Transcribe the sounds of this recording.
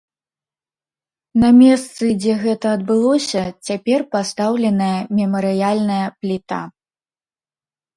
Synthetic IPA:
nɐmʲɛst̪sɨd͡zʲɛɣɛt̪ɐːd̪̚bɨlˠɔsʲɐt͡sʲapʲɛrpast̪awlʲɛnɐjɐmʲɛmɐɾɨjalʲnɐjɐplʲit̪a̰

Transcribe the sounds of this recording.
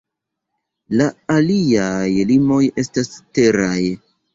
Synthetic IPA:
laaliajlimo̞je̞staste̞ɾaj

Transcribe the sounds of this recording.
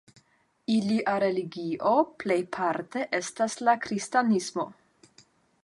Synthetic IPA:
iliʔaɾe̞liɡiʔoplejpʰaɾte̞ʔe̞staslakɾistanismo̞

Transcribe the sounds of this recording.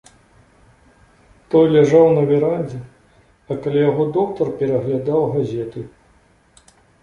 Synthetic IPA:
t̪ɔjlʲaʐawnɐvʲɛɾanʲd͡zʲɛ | ɐkalʲajaɣɔd̪ɔkt̪ɐrpʲɛɾɐɣlʲad̪awɣazʲɛt̪ɨ

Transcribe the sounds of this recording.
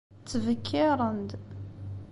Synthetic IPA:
t͡sːəvəkʰːɪɾˤənd̪

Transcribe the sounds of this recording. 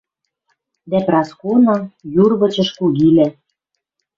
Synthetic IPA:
d̪æprɑskonɤ̆jurβɤ̆t͡ɕɤ̆ʃkuɣilæ

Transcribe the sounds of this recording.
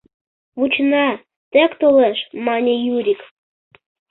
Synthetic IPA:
βut͡ɕnɑ | t̪ekt̪olɛʃmɑnʲejuɾʲik

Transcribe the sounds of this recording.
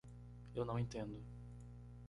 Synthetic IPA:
ewnɐ̃w̃ẽt̪ẽnd̪ʊ

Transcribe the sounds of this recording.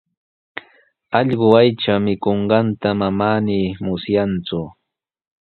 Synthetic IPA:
ɑʎɢʊajt͡ʃamɪkoɴɢɑnt̪amamaːniːmʊsjant͡sʊ

